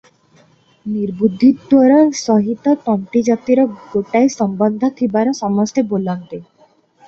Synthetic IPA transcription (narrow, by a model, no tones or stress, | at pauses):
niɾbud̪ʱːit̪ɔɾɔsɔɦit̪ɔt̪ɔɳʈid͡ʒat̪iɾɔɡoʈaesɔmbɔnd̪ʱɔt̪ʰibaɾɔsɔmɔst̪ebolɔnt̪e